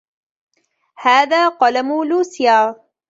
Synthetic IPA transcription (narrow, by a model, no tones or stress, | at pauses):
haːðaːqɑlamuluːsɪjaː